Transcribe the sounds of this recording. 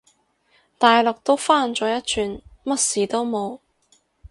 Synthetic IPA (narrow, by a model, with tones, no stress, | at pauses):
t̪aː˨jlɔ˨k̚t̪o˥wfaː˥˩nt͡sɔː˨˥jɐ˥t̚t͡ʃʰyː˨˧nmɐ˥t̚siː˨˩t̪o˥wmo˨˧w